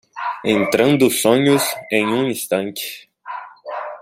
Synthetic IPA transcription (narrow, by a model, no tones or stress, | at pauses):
ẽnt̪ɾɐ̃nd̪ʊsõɲʊzẽj̃ũĩst̪ɐ̃nt͡ʃɪ̥